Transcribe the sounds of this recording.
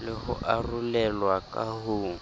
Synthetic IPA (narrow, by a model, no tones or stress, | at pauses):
lɪɣʊ̰ʔarulɛlwakʼahuː